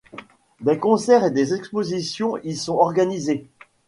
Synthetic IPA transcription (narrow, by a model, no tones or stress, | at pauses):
d̪ekɔ̃sɛʁed̪ezɛkspozisjɔ̃ilsɔ̃ɔʁɡanize